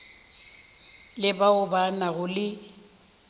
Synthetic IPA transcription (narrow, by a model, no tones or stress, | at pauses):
lɪbaʊbanaɣʊlɪ